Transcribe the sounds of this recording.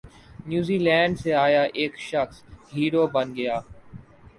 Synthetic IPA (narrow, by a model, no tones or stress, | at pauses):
njuːziːlɛ̃ːɳɖseaːjaʔeːkʃəxsɦiːɾoːbɐnɡɐjaː